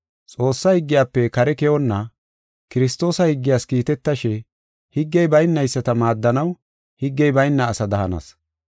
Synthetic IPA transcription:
t͡sʼo̞ːsːɐhɪɡːɪjaːpːɛkɐɾɛkɛʔɔnːɐ | kɪɾɪst̪o̞ːsɐhɪɡːɪjaːskiːt̪ɛt̪ːɐʃɛ | hɪɡːɛjbɐjnːɐjsːɐt̪ɐmaːd̪ːɐnɐw | hɪɡːɛjbɐjnːɐːsɐd̪ɐhɐnɐ̰s

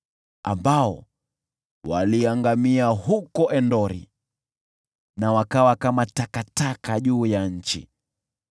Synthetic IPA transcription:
a̰mbaɔ | waliaŋɡamiahukɔʔɛndɔɾḭ | nawakawakamatakatakaʄuːjaɲ̩t͡ʃḭ

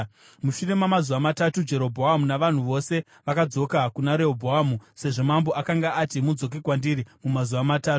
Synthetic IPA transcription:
muʃure̞mamazuʋamatatud͡ʒe̞ɾo̞bʱoɦamunaʋan̤uʋo̞se̞ | ʋakad͡zo̞kakunaɾe̞obʱoɦamuse̞ʐo̞mambo̞ʔakaŋɡaːtimud͡zo̞k̬ikwandiɾimumazuʋamataːtu̥

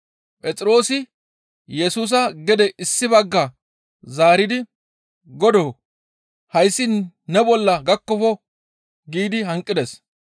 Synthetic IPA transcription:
pʼɛt͡sʼɪɾo̞ːsɪ | jɛsuːs̬ɐɡɛd̪ɛʔɪsːɪbɐɡːɐ | zaːɾɪd̪ɪ | ɡɔd̪oː | hɐjsːɪn | nɛbɔlːɐɡɐkːɔfɔ | ɡiːd̪ɪɦɐŋkʼːɪd̪ɛs

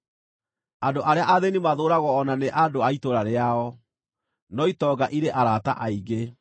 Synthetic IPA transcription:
andoʔaɾeaʔaðenimaðoɾaɣɔːnaneʔadoaitoɾaɾeaɔ | nɔitɔɡaʔiɾeʔaɾata̰ʔaiɡe

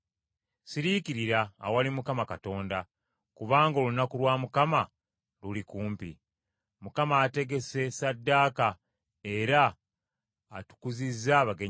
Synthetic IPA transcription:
siɾikiɾiɾaːwalimukamakato̞ːnda | kuβaːŋɡo̞lunakulwaːmukama | lulikuːmpḭ | mukamaːte̞ɡe̞se̞sadːaːka | e̞ɾaː | tu̥kuzizːaːβaɡe

